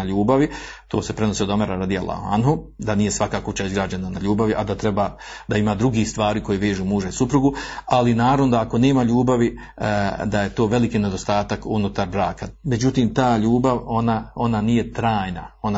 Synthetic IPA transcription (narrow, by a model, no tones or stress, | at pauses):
aʎuːbaʋit̪o̞ːse̞pɾeno̞sio̞d̪o̞meɾaɾad̪ijalˠːa̰hua̰nɦu | d̪anije̞sʋakakut͡ɕaizɡɾaːd͡ʑe̞nana̰ʎuːbaʋiʔad̪at̪ɾe̞baː | d̪aimaːd̪ɾuɡist̪ʋaːɾiːko̞jeʋe̞ːʒuːmuːʒaisupɾuɡualinaːɾaʋnod̪aako̞ne̞ːmaʎuːbaʋi | d̪aje̞t̪o̞ːʋe̞likiːne̞d̪o̞st̪aːt̪akunut̪aɾbɾaːkame̞d͡ʒut̪iːmt̪aːʎuːbaʋo̞nao̞nanije̞t̪ɾaːjna̰o̞na